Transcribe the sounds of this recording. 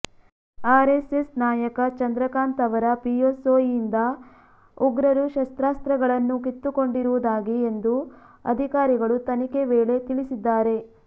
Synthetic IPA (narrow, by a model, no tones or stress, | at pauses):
aːɾesesnaːjɐkɐt͡ʃɐnd̪ɾɐkaːnt̪ɐʋɐɾɐpiosoːind̪ɐ | uɡɾɐɾuʃɐst̪ɾaːst̪ɾɐɡɐɭɐnːukit̪ːuko̞ɳɖiɾuʋud̪aːɡiend̪u | ɐ̰d̪ʱikaːɾiɡɐɭut̪ɐnike̞ʋeːɭe̞t̪iɭisid̪ːaːɾe̞